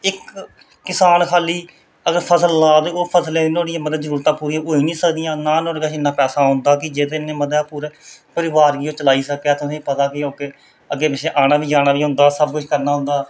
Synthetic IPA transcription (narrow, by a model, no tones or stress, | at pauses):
ɪkː | ɪsaːnkʰaːliː | əɡəɾpʰəsəlːaːd̪oːpʰəsleːɪnoːɽɪjãːməd̪əd̪zəɾuːɾt̪ãːpuːɾiːoːiːnĩːsəkd̪ijãːnaːnoːɽkaʃɪnːãːpɛːsaːɦʊ̃nd̪aːkɪd͡ʒeːd̪enẽːməd̪aːpuːɾeːpəɾɪʋaːɾɡiːõːt͡ʃəlaːiːsəkːeaːt̪ʊsẽːpət̪aːkɪoːkeː | əɡeːbɪʃeːʔaːñaːbiːd͡ʒaːɽ̃aːʋiːɦʊ̃nd̪aːsəbkʊʃʰkəɾnaːɦʊ̃nd̪aː